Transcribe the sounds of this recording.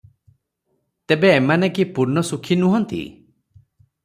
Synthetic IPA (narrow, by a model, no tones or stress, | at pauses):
t̪ebeːmanekipuɾnɔsukʰinuɦɔnt̪ḭ